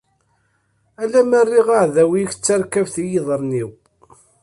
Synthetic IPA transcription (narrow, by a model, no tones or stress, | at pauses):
ælæmərːiʁaʕðæwiçt͡sːaɾkævθijiðˤəɾˤniw